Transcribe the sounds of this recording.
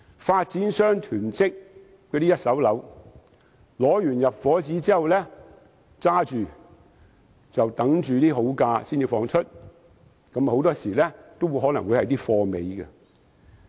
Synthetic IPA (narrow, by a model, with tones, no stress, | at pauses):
faː˧t̚t͡siː˨˥nsœː˥ŋt̪ʰyː˨˩nt͡sɪ˥k̚ː | ɛː˧t̪iː˥jɐ˥t̚sɐ˨˥wlɐ˨˧˥w | lɔː˨˥jyː˨˩njɐ˨p̚fɔː˨˥t͡siː˨˥t͡siː˥hɐ˨wlɛ˥ | t͡saː˥t͡ʃyː˨ | t͡sɐ˨wt̪ɐ˨˥ŋt͡ʃyː˨t̪iː˥ɦo˨˥wkaː˧siː˥nt͡siː˨˧fɔː˧ŋt͡ʃʰɵ˥t̚ | kɐ˨˥m˨ho˨˥wt̪ɔː˥siː˨˩lɛː˥t̪o˥wu˨˧jhɔ˨˥nɐ˨˩ŋwu˨˧˥hɐ˨jt̪iː˥fɔː˧me˨˧jkɛ˧